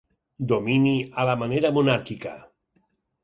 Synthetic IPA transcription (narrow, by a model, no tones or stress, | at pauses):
d̪ominialamaneɾamunaɾkika̰